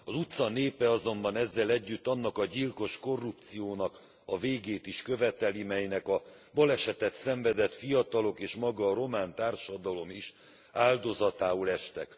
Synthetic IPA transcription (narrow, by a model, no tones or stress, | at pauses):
ɒzut̪sɒneːpɛɒzo̞mbɒnɛzːɛlɛɟːyt̪ːɒnːɒkɒɟilko̞ʃko̞rːup̚t̪sijoːnɒk | ɒveːɡeːt̪iʃkø̞vɛt̪ɛlimɛjnɛkɒ | bɒlɛʃɛt̪ɛt̪sɛɱvɛd̪ɛt̪fijɒt̪ɒlo̞keːʃmɒɡɒːɾo̞maːnt̪aːrʃɒd̪ɒlo̞miʃ | aːld̪o̞zɒt̪aːolɛʃt̪ɛ̰k